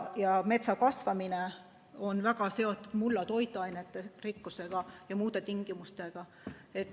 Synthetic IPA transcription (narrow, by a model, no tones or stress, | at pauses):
jɑme̞t̪sɑkɑsvɑmine | o̞nvæɡ̥ɑse̞o̞t̪ːˑud̪̥mulːɑt̪o̞jt̪ːˑuɑjnet̪ːˑerikːuse̞ɡ̥ɑjɑmuːd̪̥e̞t̪iŋɡ̥imust̪e̞ɡ̥ɑ | e̞t̪ː